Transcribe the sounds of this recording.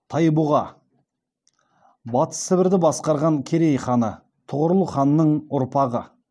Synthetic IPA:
t̪ʰɑjbuʁɑ | bɑt̪ə̥sɪbɪɾd̪ɪbɑsqɑɾʁɑŋkʲʰe̞ɾe̞jχɑnə | t̪ʰʊʁəɾlˠəχɑnːəɴʊɾpʰɑʁə̰

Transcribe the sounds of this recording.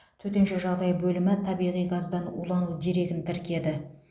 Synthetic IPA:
t̪ʰɵt̪enʃeʒɑʁd̪ɑjbɵlɪmɪt̪ʰɑbijʁijɡɑzd̪ɑnṵlˠɑnud̪e̞ɾe̞ɡʲɪnt̪ʰɪɾkʲe̞d̪ɪ

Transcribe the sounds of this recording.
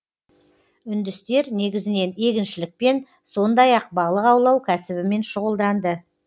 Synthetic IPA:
ʏnd̪ɪst̪e̞ɾne̞ɡʲɪzɪne̞ne̞ɡʲɪnʃɪlɪk̚pe̞n | so̞nd̪ɑjɑqbɑlˠəqɑwlˠɑwkʲʰæsɪβɪme̞nʃʊʁəlˠd̪ɑnd̪ə

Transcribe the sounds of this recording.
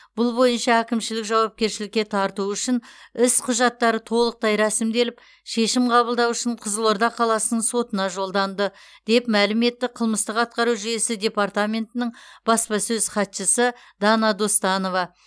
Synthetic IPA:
b̥ʊlˠbo̞jənʃɑækʲɪmʃɪlɪkʒɑwɑp̚kʲe̞ɾʃɪlɪk̚ʲːe̞t̪ʰɑɾt̪uʏʃɪnɪsqʰʊʒɑt̪ːɑɾət̪ʰo̞lˠəq̚t̪ɑjɾæsɪmd̪e̞lɪp̚ | ʃe̞ʃɪmqʰɑbəlˠd̪ɑwʏʃɪɴqʰəzəlˠoɾd̪ɑqʰɑlˠɑsənəɴso̞t̪ənɑʒo̞lˠd̪ɑnd̪əd̪̥e̞pmælɪme̞t̪ːɪqʰəlˠməst̪əqɑt̪̚qɑɾuʒʏje̞sɪd̪ʲe̞part̪amʲe̞nt̪ɪnɪɴb̥ɑspɑsɵzχɑt̪ʃəsə | d̪̥ɑnɑd̪ost̪ɑno̞vɑ

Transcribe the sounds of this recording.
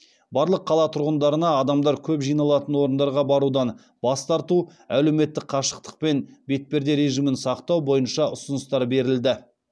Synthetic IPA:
bɑɾlˠəqʰːɑlˠɑt̪ʰʊɾʁənd̪ɑɾənɑːd̪ɑmd̪ɑɾkʲʰɵpʒijnɑlˠɑt̪ənwo̞ɾənd̪ɑɾʁɑbɑɾud̪ɑn | bɑst̪ɑɾt̪uæle̞me̞t̪ːɪk̚qʰɑʃə̥q̚t̪ə̥q̚pe̞nbe̞t̪̚pe̞ɾd̪eɾe̞ʒimɪnsɑqt̪ɑwbo̞jənʃɑʊsənəst̪ɑɾbe̞ɾɪld̪ɪ

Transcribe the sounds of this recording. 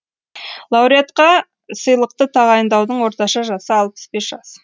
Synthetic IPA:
lˠɑwɾijat̪qɑ | səjlˠəq̚t̪ət̪ʰɑʁɑjənd̪ɑwd̪əɴwo̞ɾt̪ɑʃɑʒɑsəɑlˠpə̥sbe̞sʒɑs

